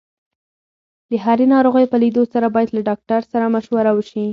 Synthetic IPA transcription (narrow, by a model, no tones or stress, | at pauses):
d̪əɦaɾenɑɾoɣəjpəlid̪osaɾabɑjad̪laɖɑk̚ʈaɾsaɾamaʃwaɾawəʃi